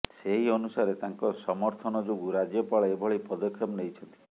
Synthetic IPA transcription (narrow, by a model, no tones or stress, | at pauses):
seɦiɔnusaɾet̪aŋkɔsɔmɔɾt̪ʰɔnɔd͡ʒoɡuɾad͡ʒjɔpaɭɔebʱɔɭipɔd̪ɔkʰːjɔpnejt͡ʃʰɔnt̪i̥